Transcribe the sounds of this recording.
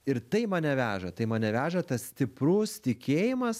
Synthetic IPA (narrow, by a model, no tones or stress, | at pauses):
ɪɾt̪ɐɪmɐnʲɛʋʲæːʒɐt̪ɐɪmɐnʲɛʋʲæːʒɐt̪ɐssʲt̪ʲɪpɾʊst̪ʲɪkʲeːjɪmɐs